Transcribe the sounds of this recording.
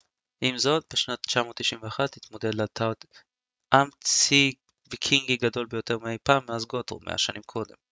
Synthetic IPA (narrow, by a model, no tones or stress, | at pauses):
ʔimzo̞t̪̚beʃnatt͡ʃamo̞tːiʃiɱveaχatːit̪mo̞d̪e̞dlat̪ʰad̪ | ʔamt͡si | vikʰiŋɡiɡado̞lbe̞jo̞te̞ʁmeejpaːmːeazɡoto̰mʔḛa̰ʃanimkʰo̞d̪e̞m